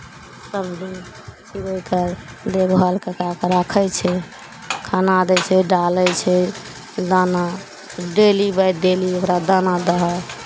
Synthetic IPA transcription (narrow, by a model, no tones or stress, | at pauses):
səbd̪in | t͡ʃiɾəjkəɾ | d̪ebɦəlkekakɾəkʰət͡ʃʰɛ | kʰanad̪ɛt͡ʃʰɛɖalɛt͡ʃʰɛ | d̪ana | ɖelibajɖeliokɾad̪anad̪əɦə